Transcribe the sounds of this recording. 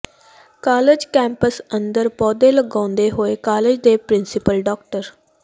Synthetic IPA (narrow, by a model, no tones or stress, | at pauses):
kaːlɪd͡ʒkɛ̃ːmpəsənd̪əɾpɔːd̪eːləɡãːnd̪eːɦoːeːkaːlɪd͡ʒd̪eːpɾɪnsɪpəlɖɔːk̚ʈəɾ